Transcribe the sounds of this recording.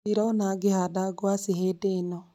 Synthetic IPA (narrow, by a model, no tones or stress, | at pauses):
iɾɔonaɡehadaɡwaseɦedenɔ